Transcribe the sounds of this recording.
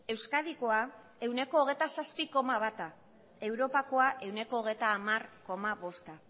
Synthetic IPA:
e̞wskað̞iko̞a | e̞wne̞ko̞ːɣ̞ejt̪asaspiko̞maβat̪a | e̞wɾo̞pako̞aʔe̞wne̞ko̞ːɣ̞e̞jt̪aːmarko̞maβo̞st̪a

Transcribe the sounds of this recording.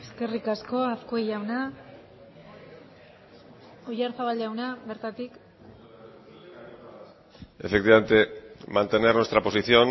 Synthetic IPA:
eske̞rikasko̞aθkoejawna | ojaɾθaβaleawnaβe̞ɾt̪at̪ik | e̞fekt̪iβament̪emant̪e̞neɾnwest̪ɾapo̞siθio̞n

